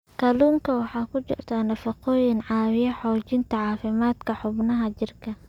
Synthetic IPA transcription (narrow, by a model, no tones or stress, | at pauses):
kʰɐluːŋkʰɐwɑħɑːkʰʊt͡ʃɪ̰rt̪ʰaːnɐfɐqɔːjɪŋʕɑːwɪjɐħɔːt͡ʃɪnt̪ʰɐʕɑːfɪmaːd̪kʰɐħʊbnɐɦɐt͡ʃɪrkʰɐ